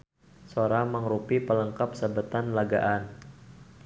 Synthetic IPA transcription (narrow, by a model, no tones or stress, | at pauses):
soɾaməŋɾupipələŋkap̚səbət̪anlaɡa̰ʔan